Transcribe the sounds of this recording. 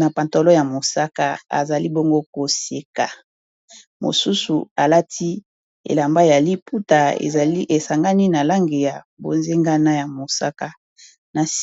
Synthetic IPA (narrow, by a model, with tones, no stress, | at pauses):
na˨pa˨nto˨lɔ˦ja˨mo˨sa˦ka˦a̰˨za˨li˦bo˦ŋɡo˦ko˨se˨ka˨ | mo̰˨su˦su˨a˨la˦tʰi˦ | ḛ˨la˨mba˦˨ja˨li˦pʰu˦ta˨ḛ˨˦ʔe˨sa˨ŋɡa˦ni˦na˨la˦ŋɡe˨ja˨ | bo̰˨nze˦ŋɡa˦na˦ja˨mo˨sa˦ka˦ | na˨s